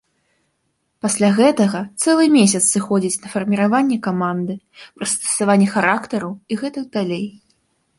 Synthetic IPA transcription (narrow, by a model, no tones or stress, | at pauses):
pasʲlʲaɣɛt̪ɐɣɐt̪sɛlˠɨmʲesʲɐt̪ssɨxɔd͡zʲit͡sʲnɐfɐrmʲiɾavanʲːɛkamand̪ɨ | pɾɐst̪ɐ̥savanʲːɛxaɾakt̪ɐɾuiɣɛt̪ɨɡd̪alʲej